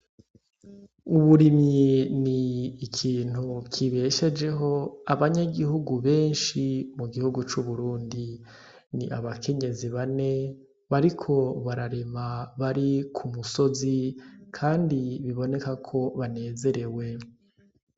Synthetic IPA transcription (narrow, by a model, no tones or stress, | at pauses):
uβuɾimɲiniːkʰiːn̥ukʰiβe̞ʃe̞d͡ʒe̞ɦo̞aβaɲaɡihuɡuβe̞ːnʃimuɡihuɡut͡ʃuβuɾuːndi | niʔaβakʰe̞ɲe̞ziβane̞ | βaɾikʰo̞βaɾaɾemaβaɾikʰumuso̞zikʰaːndiβiβo̞ne̞kakʰo̞βane̞ːze̞ɾe̞we̞